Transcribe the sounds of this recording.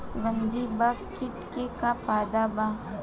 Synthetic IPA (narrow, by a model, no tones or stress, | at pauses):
ɡə̃nd̪ibakɪʈkekafaːd̪aba